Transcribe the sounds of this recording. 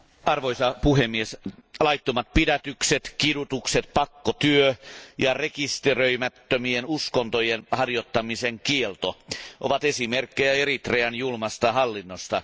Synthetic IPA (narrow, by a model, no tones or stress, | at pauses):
ɑrʋojsɑpuhemːieslɑjt̪ːomɑt̪̚pidæt̪ykset̪kidut̪ukset̪pɑkːot̪yøjɑrekist̪erøimæt̪ːømienuskont̪ojenhɑrjot̪ːɑmiseŋkielt̪oʔo̰ʋɑt̪esimerkːejæeɾit̪reænjulmɑst̪ɑhɑlːinːost̪ɑ